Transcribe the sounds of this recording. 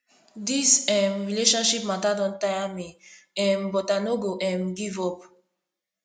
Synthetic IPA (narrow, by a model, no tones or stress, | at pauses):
disɛ̃mɹileʃɔ̃nʃipmatadɔ̃ntajami | ɛ̃mbɔtanoɡoʔɛ̃mɡivɔp